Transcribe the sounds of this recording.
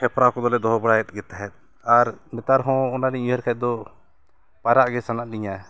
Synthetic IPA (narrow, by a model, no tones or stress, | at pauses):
kʰɛpʰɾakɔd̪ɔlɛd̪ɔɦɔbəɽajɛt̪̚ˀɡɛt̪aɦɛt̪̚ˀ | aɾmɛt̪aɾɦɔ̃ɔnaliɲuɦɛɾkʰad̪ɔ | paɾaʔɡɛsanaʔniɲa